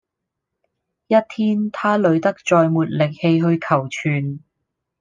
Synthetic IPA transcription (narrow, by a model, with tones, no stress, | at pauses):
jɐ˥t̚t̪ʰiː˥nt̪ʰaː˥lɵ˨˧ɥt̪ɐ˥k̚t͡ʃɔː˧jmuː˨t̚lɪ˨k̚he˧jɦɵ˧ɥkʰɐ˨˩wt͡ʃʰyː˨˩n